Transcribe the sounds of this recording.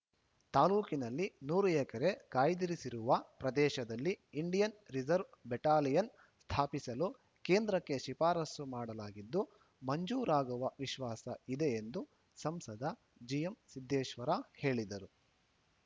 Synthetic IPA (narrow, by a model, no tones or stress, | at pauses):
t̪aːluːkinɐlːinuːɾuɛkɐɾe̞kaːjd̪iɾisiɾuʋɐpɾɐd̪ɛːʃɐd̪ɐlːiːɳɖijɐnɾid͡ʒɐɾʋbɛʈaːlijɐn | st̪ʰaːpisɐlu | keːnd̪ɾɐkːe̞ʃipaːɾɐsumaːɽɐlaːɡid̪ːu | mɐɲd͡ʒuːɾaːɡuʋɐʋiʃʋaːsɐid̪e̞end̪u | sɐmsɐd̪ʱɐ | d͡ʒijemsid̪ʱːɛːʃʋɐɾɐhe̞ːɭid̪ɐɾu